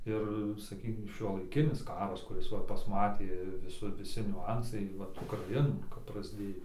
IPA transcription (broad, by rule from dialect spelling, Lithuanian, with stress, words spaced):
ˈɪr sɐˈkʲiːkʲɪm ʃʲuɔlˠɐɪˈkʲɪnʲɪs ˈkɑːrɐs kʊˈrʲɪs ˈʋɐ pɐsˈmɑːtʲeː ʋʲɪˈsʊr ʋʲɪˈsʲɪ nʲʊˈɐnsɐɪ ˈʋɐt ʊkrɐˈɪnuː kɐp prɐzʲˈdʲeːjoː